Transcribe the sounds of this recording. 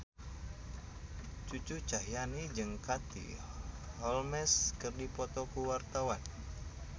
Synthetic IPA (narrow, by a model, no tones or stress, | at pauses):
t͡ʃut͡ʃut͡ʃaɦjanid͡ʒɨŋkat̪ḭhɔlmɛskɨrdipɔt̪ɔkuwart̪awan